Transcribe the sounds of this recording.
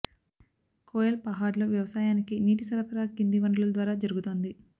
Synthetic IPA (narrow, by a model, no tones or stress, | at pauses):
koːjɐlpɐɦaːɾloːʋjɐʋɐsaːjaːnikiniːʈisɐɾɐpɐɾaːkind̪iʋɐɳɖɐllɐd̪ʋaːɾaːd͡ʒɐɾuɡut̪oːnd̪i